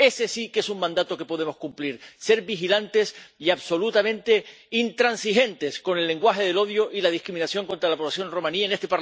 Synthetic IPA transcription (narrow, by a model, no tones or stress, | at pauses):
e̞sesikesuŋmãnd̪at̪o̞ke̞po̞ðe̞mo̞skumpliɾse̞ɾbixilant̪e̞siaβso̞lut̪amẽ̞nt̪e̞ | int̪ɾansixe̞nt̪e̞sko̞ne̞lːẽ̞ŋɡwaxe̞ð̞e̞lo̞ðjoʔilað̞ihkɾimĩnasjo̞ŋko̞nt̪ɾalapoβlasjo̞nro̞mãniaenest̪epa